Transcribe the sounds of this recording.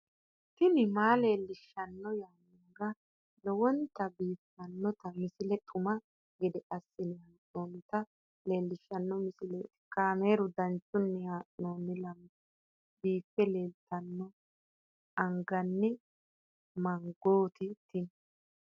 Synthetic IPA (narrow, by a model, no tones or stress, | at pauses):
t̪ɪnɪmaːle̞ːlːɪʃːɐnːɔjaːnɪŋɡɐ | lɔwɔnt̪ɐbiːfːɐnːɔt̪ɐmɪsɪlɛt̪ʼʊmɐ | ɡɪd̪ɛʔɐsːɪnɪhaːʔnoːnɪt̪ɐ | le̞ːlːɪʃːɐnːɔmɪsɪlɛ | kaːmeːɾʊd̪ɐnt͡ʃːʊnːɛjaːʔnoːnːɪlɐm | biːpːɛle̞ːlt̪ɐnːɔ | ɐŋɡɐnːɪ | mɐŋɡoːt̪ɪt̪ɪn